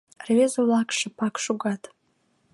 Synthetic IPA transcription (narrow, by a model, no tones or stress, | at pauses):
rvezolakʰʂɨpʰakʰʂuɡatʼ